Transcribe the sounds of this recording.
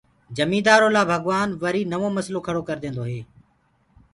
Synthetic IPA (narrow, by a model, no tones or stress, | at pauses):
d͡ʒəmĩːd̪aːɾoːlaːbʱəɡʋaːnʋəɾiːnəʋoːməsloːkʰəɽoːkəɾd̪ẽːnd̪oːɦeː